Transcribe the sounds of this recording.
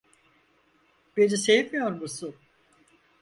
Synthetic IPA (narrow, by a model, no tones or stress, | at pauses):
b̥enisejivmijoɾmusʊn